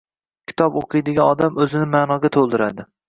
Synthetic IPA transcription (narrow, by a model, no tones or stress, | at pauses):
kʲʰɪ̥t̪ʰɒpoqʰɨjd̪ɪɡʲaɒd̪amɵzɪnɪmaːnɒɡʲat̪ʰolˠd̪ɪɾad̪ɪ